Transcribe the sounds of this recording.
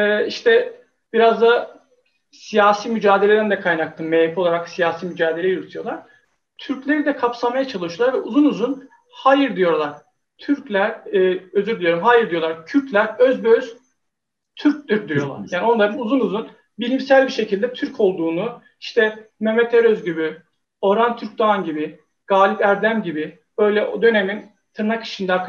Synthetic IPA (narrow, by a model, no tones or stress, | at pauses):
ɛːiʃt̪ʰɛ | biɾazd̪a | sijaːsiːmyd͡ʒaːd̪e̞lʲed̪ænd̪ɛkʰajnak̚t̪ʰɯmmejifo̞lˠaɾaksijaːsiːmyd͡ʒaːd̪e̞lʲejuɾt̪ʰujo̞lˠaɾ̥ | t̪ʰyɾclʲe̞ɾid̪ɛkʰapsamajat͡ʃʰalˠɯʃuolˠaɾvɛʔuzunuzun | haːjiɾd̪ijo̞ɾlˠaɾ̥ | t̪ʰyɾclʲæɾøzyɾd̪ijo̞ɾumɦaːjɯɾd̪ijo̞lˠaɾcʰyɾc̪lʲæɾøzbøz̥ | t̪ʰyɾc̚d̪ʲiɾd̪ijo̞lˠa̰ɾjaːnio̞nlˠaɾɯnuzunuzun | bilʲimsælʲbiɾʃe̞cʰilʲd̪ɛt̪ʰyɾcʰo̞lˠd̪uːnu | iʃt̪ʰɛme̞met̪ʰeɾøzɟibi | o̞ɾant̪ʰyɾc̚d̪aanɟibi | ɡ̥aːlʲipæɾd̪æmɟibi | bø̞jlʲɛʔod̪ø̞ne̞min | t̪ʰɯɾnakʰɯ̥ʃɯnd̪a